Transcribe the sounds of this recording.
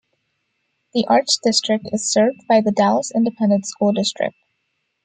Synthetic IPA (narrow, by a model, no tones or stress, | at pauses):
ðiʔɑɹtsd̥ɪstɹ̥ɨk̚tɨz̥sɜ˞vd̚baɪðədælˠzɪ̃ndɨpʰɛ̃ndə̃ntskulˠdɪstɹ̥ɪ̰k̚t̚